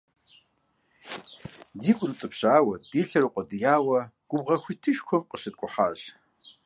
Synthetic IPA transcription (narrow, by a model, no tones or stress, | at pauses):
diːkʷʼʊrut͡sʼɨpʰɕaːwɐd̥iːɬɐɾuqʷʼɔdɨjaːwɐɡ̥ʷʊbʁɐxʷitʰɨʃkʷʰɔmqʼəɕɨt̚kʷʼʊħaːɕ